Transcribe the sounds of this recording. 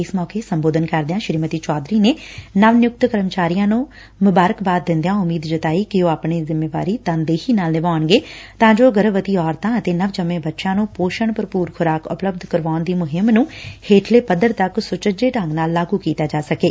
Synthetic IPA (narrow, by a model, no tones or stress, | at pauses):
ɪsmɔːkeːsəmboːd̪ənkəɾd̪ɪãːʃɪɾiːmət̪iːt͡ʃɔːd̪ɾiːneːnəʋnjʊk̚t̪kəɾəmt͡ʃaːɾijãːnũː | mʊbaːɾəkbaːd̪̚ːɪ̃nd̪ejãːʊmiːd̪d͡ʒət̪aːiːkɪoːaːpɳeːzɪmːeːʋa̰ːɾiːt̪ə̃nd̪eːhiːnaːlnɪʋaːəɳɡeːt̪ãːd͡ʒoːɡəɾəʋət̪iːɔːɾt̪ãːət̪eːnəʋd͡ʒəmẽːbətːʃãːnũːpoːʃəɳpəɾpuːɾkʰʊɾaːkʊ̰pləbd̪ʱkəɾʋaːʊnd̪iːmʊɦɪmnũːheːʈʰleːpəd̪əɾt̪əksʊt͡ʃəd͡ʒeːʈə̃ŋɡnaːlːaːɡuːkiːt̪aːd͡ʒaːsəkeː